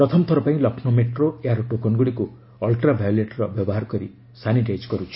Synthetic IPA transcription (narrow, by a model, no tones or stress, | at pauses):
pɾɔt̪ʰɔmɔt̪ʰɔɾɔpaĩlɔkʰnomeʈroeaɾʈokɔnɡuɽiku | ɔlʈɾabʱajɔleʈɾɔbjɔbɔɦaɾɔkɔɾḭ | saniʈajd͡ʒkɔɾut͡ʃʰi̥